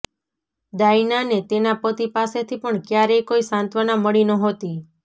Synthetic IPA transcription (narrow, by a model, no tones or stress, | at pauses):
d̪ainanet̪enapət̪ipaset̪ʰipəɳkjaɾejkoisãnt̪ʋanaməɭinəɦot̪i